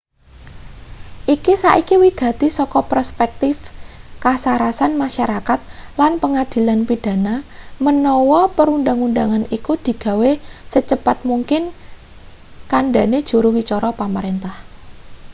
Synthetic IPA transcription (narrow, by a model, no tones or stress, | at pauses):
ʔikisaʔikiwiɡ̥ä̤t̪isɔkɔpərspɛk̚t̪ɪfkasaɾasanmaʃaɾakat̪̚lanpəŋad̪̥i̤lanpid̥a̤namənɔwɔpəɾunɖaŋunɖaŋanikud̪̥i̤ɡ̥ä̤wesət͡ʃəpat̪̚muŋkɪn | kanɖa̤ned̥ʒ̥ṳɾuwit͡ʃɔɾʔɔpaməɾent̪ah